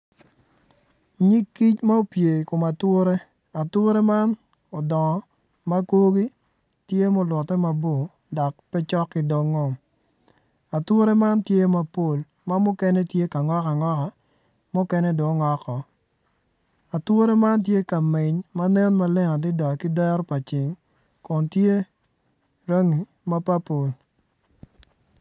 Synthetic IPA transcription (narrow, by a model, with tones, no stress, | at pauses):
ɲi˦kːi˦t͡ʃma˦o˨˦pje˨kʊ˨ma˨twʊ˦ɾe˦ | a˨twʊ˦ɾe˦ma˦n | ɔ˨dɔ˨ŋɔ˨ | ma˦ko˦ɡi˦ | tje˦mo˦lwɔ˨tːɛ˦ma˨bo˨ | dɔ˨k̚pɛ˦t͡ʃɔ˦kːɪ˨do˨ŋːo˨m | a˨twʊ˦ɾe˦ma˦ntje˦ma˦po˨l | ma˦mʊ˦kɛ˦nɛ˦tje˦ka˨ŋɔ˦ka˨ŋɔ˦ka˨ | mʊ˦kɛ˦nɛ˦do˨˦ŋɔ˦kɔ˨ | a˨two˦ɾe˦ma˦nt̬je˦ka˨mɪ˨ɲma˦nɛ˦nma˦lɛ˦ŋa˨dɪ˦da˨kɪ˦dɛ˦ɾpa˨t͡ʃɪ˨ŋ | kɔ˨ntje˦ | ɾo˦ŋi˨ | ma˦pa˦po˨l